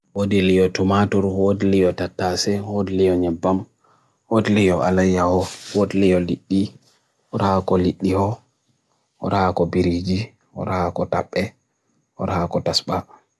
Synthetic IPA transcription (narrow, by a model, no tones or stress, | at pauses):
wodilijɔtumatɔɾwodilijɔtatːasɛwodilijɔɲɛbːam | wodilijɔʔalajahɔwodilijɔliɗːi | ɔɾaakɔliɗːihɔ | ɔ̰ɾaakɔbiɾid͡ʒi | ɔ̰ɾahakɔta̰ɓːɛ | ɔ̰ɾahakɔtasɓa